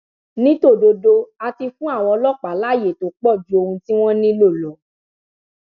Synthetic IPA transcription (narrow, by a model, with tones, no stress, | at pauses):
nĩ˦to˦˨do˧do˧a˧ti˧fũ˦a˦˨w̃ɔ˧lɔ˦˨k͡pa˨˦la˨˦˨je˨to˨˦k͡pɔ˦˨d͡ʒu˦o˧hũ˧ti˦w̃ɔ̃˦nĩ˦lo˦˨lɔ˨˦